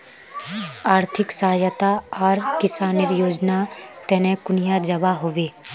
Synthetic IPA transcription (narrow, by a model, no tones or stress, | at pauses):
aːɾt̪ʰɪksəɦaːjət̪aaːɾkɪsaːniɾjoːd͡ʒnat̪ɛːnẽkʊnɪjad͡ʒɐbaɦoːʋeː